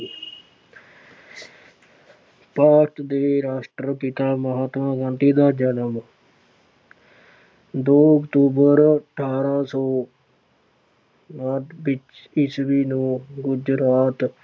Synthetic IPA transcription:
paːɾʈd̪eːɾaːsʈɾəpɪt̪aːməɦaːt̪mãːkãːnt̪iːd̪aːd͡ʒənəm | d̪oːəkt̪uːbəɾəʈʰaːɾaːsɔː | naɖʋɪt͡ʃ | ɪsʋiːnũːɡʊd͡ʒɾaːt̪

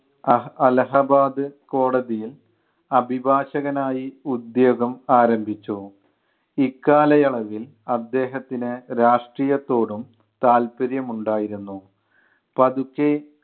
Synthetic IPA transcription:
ɐlɐɦɐbaːd̪ɨko̞ːɽɐðijil | ɐbʱibʱaːɕɐɣɐnaːjiud̪jo̞ːɡɐmaːɾɐmbʱit͡ɕːu | ikːaːlɐjɐɭɐʋil | ɐd̪ːe̞ːɦɐt̪ːinɨɾaːʂʈriːjɐt̪ːo̞ːɽum | t̪aːlpɐɾjɐmuɳɖaːjiɾunːu | pɐðukːe

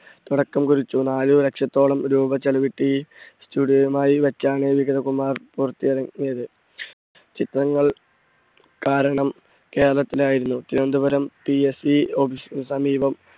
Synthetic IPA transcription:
t̪uɽɐkːɐmkuɾit͡ɕːunaːluɾe̞kʂjɐt̪ːo̞ːɭɐmɾuːbɐt͡ɕːelɐʋiʈːistuːɽijojumaːjiʋet͡ɕːaːɳeʋiɡɐðɐkumːaːrpurɐt̪ːijɐɾɐŋːijɐðɨ | t͡ɕit̪rɐŋːɐɭ | kaːɾɐɳɐm | ke̞ːɾɐɭɐt̪ːilaːjiɾunːut̪iɾond̪ubɐɾɐmpiesiobisnsɐmiːbɐm

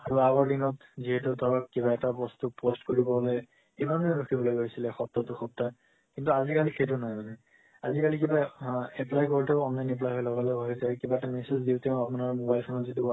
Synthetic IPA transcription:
aɹuaɡɔɹdinɔtziɦɛtʊtaɹakkibaɛtabɔstupostkoɹibɔɦlɛ | kimaneɹuxʰibɔlojɡojsilɛxɔp̚tatʊxɔp̚ta | kintuazikalixejtʊnajmanɛ | azikalikibaɛplajkoɹitɛʊɔnlajnɛp̬lajɦɔjlɔɡalɛbʱaɡisɛkibaɛtamesezdiʊtɛ̃apunaɹmobajlʰɔnɔtzitu

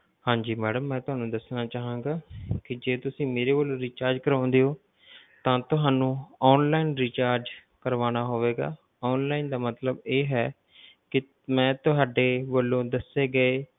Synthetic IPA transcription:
hãːɲd͡ʒiːmɛːɽəmːɛ̃ːt̪ʊɦaːnũːd̪əsnaːt͡ʃaːɦãːɡaːkɪd͡ʒeːt̪ʊsĩːmeːɾeːbəlõːɾiːt͡ʃaːɾd͡ʒkəɾãːʊnd̪eːɦoː | t̪ãːt̪ʊɦaːnũːɔːnlaːinɾiːt͡ʃaːɾd͡ʒkəɾʋaːnaːɦoːʋeːɡa̰ː | ɔːnlaːind̪aːmət̪ləbeːɦɛː | kɪ | mɛ̃ːt̪ʊɦaːɖeːʋəlːõːd̪əseːɡəeː

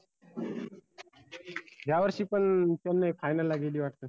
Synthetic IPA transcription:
d͡ʑʱjaʋəɾʃiːpəɳt͡ɕənːəjpʰajnəlːaɡeliʋaʈt̪ə

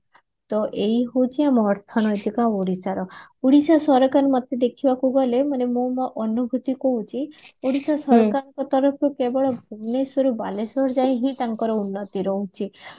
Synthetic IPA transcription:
t̪ɔʔejɦowt͡ʃʰiamɔːɾt̪ʰɔnɔjt̪ikãuɽisaɾɔuɽisasɔɾɔkaɾmɔt̪ed̪ekʰibakuɡɔlemanemũmaʔɔnubʱut̪ikɔɦut͡ʃʰioɽisasɔɾkaɔŋkɔt̪ɔɾɔpʰɾukebɔɭɔbʱuɡnesoɾubalesɔɾd͡ʒajɦĩt̪aŋkɔɾɔunːɔt̪iɾɔɦut͡ʃʰi

